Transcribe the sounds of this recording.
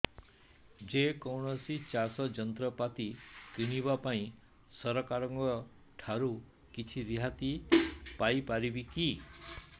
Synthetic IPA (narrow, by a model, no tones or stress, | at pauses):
d͡ʒekɔwɳ̃ɔsit͡ʃasɔd͡ʒɔnt̪ɾɔpat̪ikiɽ̃ibapaĩ | sɔɾɔkaɾɔŋkɔɾɔ | ʈʰaɾu | kit͡ʃʰiɾiɦat̪ipajpaɾibiki